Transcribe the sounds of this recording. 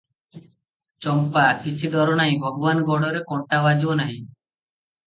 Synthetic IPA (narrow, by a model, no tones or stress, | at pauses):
t͡ʃɔmpakit͡ʃʰid̪ʱɔɾɔnaɦĩbʱɔɡɔwanɔɡɔɽɔɾekɔɳʈabad͡ʒiɔnaɦĩ